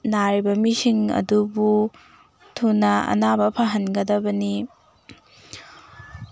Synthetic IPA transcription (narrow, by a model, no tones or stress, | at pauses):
naɾibɐmisiŋɐ̰dubu | tʰunɐɐ̰nabɐpʰaɦɐnɡɐdɐbɐni